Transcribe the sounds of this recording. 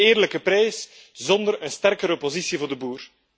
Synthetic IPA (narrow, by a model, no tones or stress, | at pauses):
eːrləkəpɾɛjs | zɔnd̪əɾənstɛrkəɾɔpozisivoːrdəbuːr